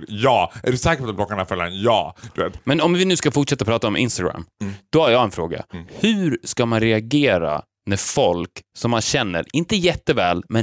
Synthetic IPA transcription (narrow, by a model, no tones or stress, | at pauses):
jɑːʔæɖɛsɛːkəɾpɔt̪at̪̚b̪lɔkːanafɛlːanjɑ̰ːd̪̥ɵvḛːt̪mɛnɔmvɪnʉ̟ːskafʊʈʂɛt̪ːapʰɾɑːt̪aɔmʔɪ̰nst̪aɡɾa̰mːd̪̥ɔhaɾjɑːɡɛnfɾoːɡa̰hʉːɾskamanɾɛaɡeːɾa̰ | næfɔlksɔmːanɕɛnːə̰ɾɪnt̪əjɛt̪ːəvɛːlmɛn